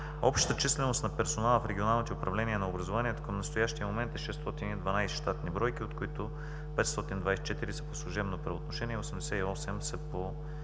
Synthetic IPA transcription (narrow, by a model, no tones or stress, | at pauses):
ɔpʃt̪t̪ət͡ʃislɛnost̪nɐpɛɾsonalˠfɾɛɡʲionalˠnit̪ɛʊpɾɐvlɛniɛnɐobɾɐzovaniɛt̪o̥kəmnɐst̪ojaʃt̪ijəmomɛnt̪ɛʃɛst̪ɔt̪inid̪vɐnajsʃt̪at̪nibɾɔjkiot̪kʊit̪ʊ | pɛt̪st̪ɔt̪ind̪vajsɛ̥t͡ʃɛt̪iɾisɛ̥poslˠʊʒɛbnopɾɛot̪noʃɛniɛosɛmd̪ɛsɛiɔsɛmsɛpo